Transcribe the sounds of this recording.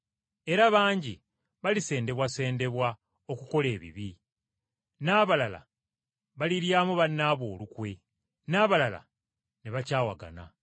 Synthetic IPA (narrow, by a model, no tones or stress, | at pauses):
e̞ɾaβaːɲɟi | βalise̞ːnde̞βwase̞ːnde̞βwa | o̞kuko̞le̞ːβḭβi | naːβalala̰ | βaliɾjaːmuβanːaːβo̞ːlukwe̞ | naːβalala̰ | neβacaːwaɡa̰na̰